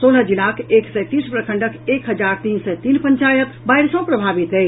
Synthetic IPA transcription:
soləd͡ʒilakeksɛt̪ispɾəkʰəɳɖəkekɦəd͡ʒaɾt̪insɛt̪inpəɲt͡ʃajət̪baiɾsə̃pɾəbʱabit̪əj

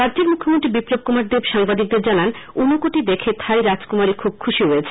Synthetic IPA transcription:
ɾadːd͡ʑeɾmukʰːomont̪ɾibipɾob̚kumaɾd̪ebʃaŋbad̪ik̚d̪eɾd͡ʑanan | unokoʈid̪ekʰet̪ʰajɾad͡ʑkumaɾikʰub̚kʰuʃiɾoet͡ɕʰe̥

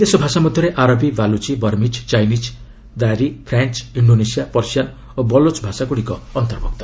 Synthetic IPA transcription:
id̪esɔbʱasamɔd̪ʱjɔɾeʔaɾɔbibalut͡ʃibɔɾmid͡ʒt͡ʃajnid͡ʒ | d̪aɾipʰɾant͡ʃiɳɖonesijapɔɾsjan | obɔlot͡ʃbʱasakuɽikɔːnt̪ɔɾbɔk̚t̪ɔ̥

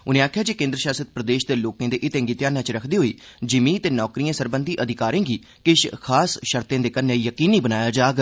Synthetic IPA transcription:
ʊnẽːaːkʰːjaːd͡ʒeːkẽːnd̪ɾəʃaːsət̪̚pɾəd̪eːʃd̪eːloːkãːd̪eːʔɪt̪ẽːŋɡiːt̪jaːnjãːt͡ʃɾəkʰd̪iːɦoːiːd͡ʒɪmiːt̪eːnɔːkɾiːãːsəɾbənd̪iːʔəd̪ʱɪkaːɾẽːɡiː | kɪʃkʰaːsʃəɾt̪ẽːd̪eːkənːeːijəkiːniːbənaːjaːd͡ʒaːɡ

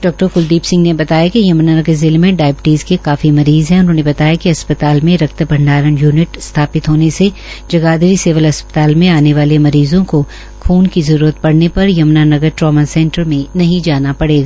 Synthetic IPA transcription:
ɖɔːk̚ʈəɾkʊld̪iːpsɪ̃ŋɡnebɐt̪aːjakijɐmnanɐɡəɾzɪlmẽɖaːɪbɪʈiːzkekaːfimɐɾiːzɦɛ̃ʊnɦõːnebɐt̪aːjakiɐspət̪aːlmẽɾɐkt̪əbʱɐ̃ɳɖaːɾənjuːnɪʈst̪ʰaːpɪt̪ɦoːnese | d͡ʒɐɡaːd̪əɾiseːʋəlɐspə̥t̪aːlmẽaːneʋaːlemɐɾiːzõko | kʰuːnkizɐɾuːɾət̪̚pɐɽnepɐɾjɐmnanɐɡəɾʈɾɔːmasɛ̃ːɳʈəɾmẽnɐɦĩd͡ʒaːnapɐɽeːɡaː

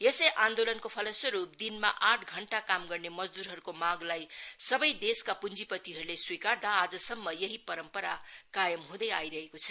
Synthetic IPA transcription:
jesʌjʔãnd̪olʌnkopʰʌlʌswʌɾup̚d̪inma̰ʔaʈʰɡʱʌɳʈakamɡʌrnemʌd͡zd̪uɾɦʌɾukomaɡlajsʌbʌjd̪eskapund͡zipʌt̪iɦʌɾuleswikard̪aːd͡zʌsʌmːʌjʌɦipʌɾʌmpʌɾakajʌmɦũd̪ʌjajɾʌɦekot͡sʰʌ

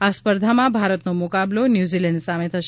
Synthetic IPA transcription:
aspəɾd̪ʱamãbʱaɾət̪nomukablonjuzilɛɳɖsamet̪ʰəʃ

